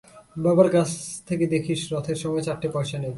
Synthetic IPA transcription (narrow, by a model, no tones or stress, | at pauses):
babaɾkat͡ɕʰt̪ʰeked̪ekʰiʃɾɔt̪ʰeɾʃɔmɔet͡ɕaʈːepɔʃane